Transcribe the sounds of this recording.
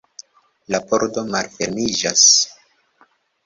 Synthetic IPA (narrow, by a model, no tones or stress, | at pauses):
labo̞ɾdo̞malfeɾmid͡ʒas